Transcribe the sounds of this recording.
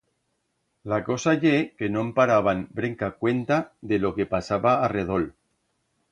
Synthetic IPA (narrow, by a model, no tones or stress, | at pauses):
lako̞saʎekenompaɾaβ̞anbɾeŋkakwe̞nt̪aðelo̞ke̞pasaβaːreð̞ol